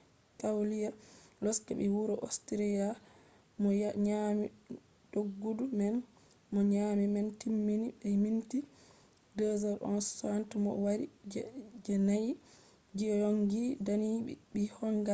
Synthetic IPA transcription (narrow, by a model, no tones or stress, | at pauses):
kawlijalɔska̰ɓiwuɾɔʔostɾija | mɔɲami | d̥oɡːudumɛn | mɔɲamimɛntimːinibɛminti | dɔzaɾʔɔ̰nsantumɔ̰waɾid͡ʒd͡ʒɛnaj | d͡ʒijoŋɡidanibihɔŋɡa